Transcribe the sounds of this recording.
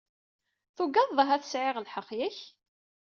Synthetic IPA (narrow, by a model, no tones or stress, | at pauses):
θuɡɑððˤəɦæθə̥sʕɪʁəlħəqːjæç